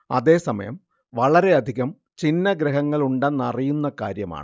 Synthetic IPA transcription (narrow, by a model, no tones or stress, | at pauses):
ɐ̰ðe̞ːsɐmɐ̰jɐ̰m | ʋɐɭɐɾeɐd̪ʱiɣɐm | t͡ɕinːɐɡɾeɦɐŋːɐɭuɳɖɐnːɐrijunːɐka̰ːɾjɐma̰ːɳɨ